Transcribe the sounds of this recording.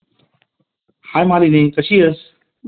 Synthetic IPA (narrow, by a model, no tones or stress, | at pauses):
haːjmaːɾinẽkət͡ɕʰiːəs